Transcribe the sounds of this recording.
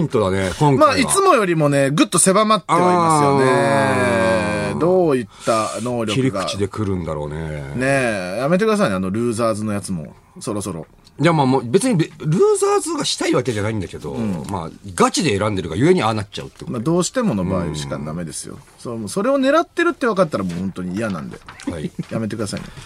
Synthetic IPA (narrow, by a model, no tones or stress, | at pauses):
ĩnt̪o̞d̪anekõŋkmait͡sɨmo̞jo̞ɾʲimo̞ne̞ɡɯ̟t̪ːo̞se̞bamat̪ːaeoɾiiasɨjone | d̪o̞ːit̪ːano̞ːɾʲo̞iɾʲikɡaɯ̟t͡ɕid̪e̞kɯ̟ɾɯ̟̃nd̪aɾo̞̰ːnḛne̞jame̞t̪̬ekɯd̪as̬ainano̞ɾɯ̟ːzaːzɨno̞jat͡sɨmo̞̰ | so̞ɾo̞so̞ɾo̞̰ | jamaːmoːbe̞t͡sɨɲ̟ibeɾɯ̟ːzaːzɨɡaɕi̥t̪aiβake̞ʑanaĩnd̪aked̪o̞̰ɯ̃ːma̰ɡat͡ɕid̪e̞ːɾãnd̪eɾɯ̟ɡajɯe̞ɲ̟ianat͡ɕa̰ɯ̟t̪ːekmad̪o̞ːɕi̥t̪e̞mo̞no̞baːioɕi̥ka̰d̪ame̞d̪e̞sɨjo̰somoso̞ɾe̞o̞ne̞ɾat̪ːe̞ɾɯ̟t̪ːe̞βakat̪t̪ːaɾamoːhõ̞nt̪oɲ̟iːjanã̰nd̪e̞̰aijamet̪e̞kɯ̟d̪as̬a̰ḭnḛ